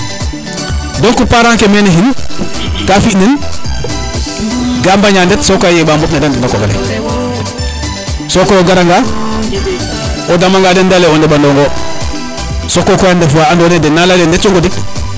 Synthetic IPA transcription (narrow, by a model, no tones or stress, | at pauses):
doŋkupaɾaŋkemeneɦin | kafiʔnen | ɡambaɲandetsokjebambopnadandimakoɡaɾḛ | sokojoɡaɾaŋɡa | odamaŋɡadendaleondebandoŋɡo | sokokojandefuwaandonedenːalalendet̚t͡ʃoŋɡodik̚